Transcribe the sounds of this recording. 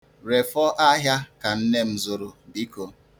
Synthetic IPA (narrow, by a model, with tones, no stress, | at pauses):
ɾe˨fɔ˦ʔa˦ɦja˦ka˨n̩˦ne˦m̩˨zʊ˨ɾʊ˨bi˦ko˨